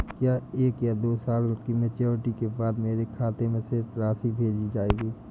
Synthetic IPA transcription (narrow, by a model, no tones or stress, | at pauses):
kjaːeːkjad̪oːsaːlkimẽt͡ʃeːʋəʈikebaːd̪meːɾekʰaːt̪emẽseɾaːsibʱeːd͡ʒid͡ʒaːeːɡiː